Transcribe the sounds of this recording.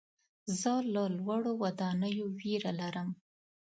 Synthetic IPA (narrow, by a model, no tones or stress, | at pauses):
zələlwaɽowad̪ɑnəjowiɾalaɾəm